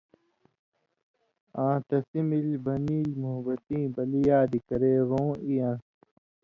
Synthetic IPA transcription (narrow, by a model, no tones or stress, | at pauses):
ãːt̪ɐsimilbɐniːlmuɦbɐt̪ĩːbɐlijaːd̪ikɐɾeːɣõːijãː